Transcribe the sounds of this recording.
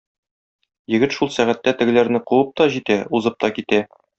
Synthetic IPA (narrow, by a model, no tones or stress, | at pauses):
jɘ̆ɡɘt̪ʃulˠsæʁæt̪ːæt̪ɘ̆ɡɘ̆læɾnɘquwɤp̚t̪ɒʑit̪æuzɤp̚t̪ɒkit̪æ